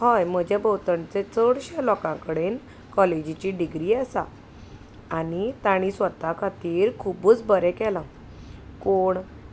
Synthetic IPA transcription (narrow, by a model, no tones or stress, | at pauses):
hajm̤əd͡ʑabəwt̪əɳt͡set͡səɽɕalɔkãkəɽen | kɔled͡ʑit͡ɕiɖiɡɾiasa̰ | anit̪aɽ̃ĩsʋət̪akʰat̪iːɾkʰubuːt͡sbəɾɛkɛlã | koɳ